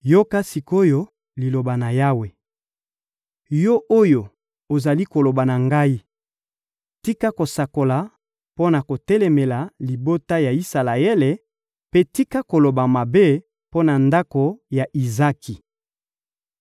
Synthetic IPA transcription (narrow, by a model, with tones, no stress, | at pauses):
jo˦ka˦si˨ko˦jo˦ | li˨lo˨ba˨na˨ja˦we˨ | jɔ˦ʔo˦jo˨ | o˨za˨li˦ko˨lo˨ba˨na˨ŋɡa˦i˦ | ti˦ka˦ko˨sa˨ko˨la˨ | po˦na˨ko˨tɛ˦lɛ˨me˨la˨li˨bo˦ta˦ja˨i˦sa˨la˨e˦le˨ | pe˦ti˦ka˦ko˨lo˨ba˨ma˨be˦ | po˦na˨nda˦ko˨ja˨ʔi˨za˦ki˨